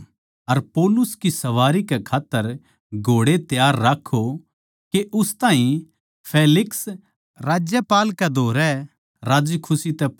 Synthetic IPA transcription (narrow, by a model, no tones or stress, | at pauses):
ɐɾpoːlʊskisɐʋaːɾikɛkʰaːt̪ːəɾ | ɡʱoːɽet̪jaːɾːaːkʰːo | keʔʊst̪aːɦĩ | pʰeːlɪks | ɾaːd͡ʒjəpaːlkɛd̪ʱoːɾɛ | ɾaːd͡ʒkʰʊsit̪ɛ